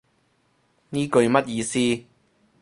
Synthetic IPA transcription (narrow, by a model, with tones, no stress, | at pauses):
niː˥kɵ˧ɥmɐ˥t̚jiː˧siː˥